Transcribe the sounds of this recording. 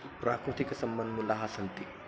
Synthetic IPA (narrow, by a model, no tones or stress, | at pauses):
pɾa̰kɾut̪ikəsəmbənd̪mulːaɦasənt̪i